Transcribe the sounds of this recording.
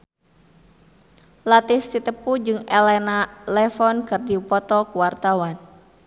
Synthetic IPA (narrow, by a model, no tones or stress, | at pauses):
lat̪ɪfsit̪əpud͡ʒɨŋɛlɛnalɛfɔnkɨrdipɔt̪ɔkuwart̪awan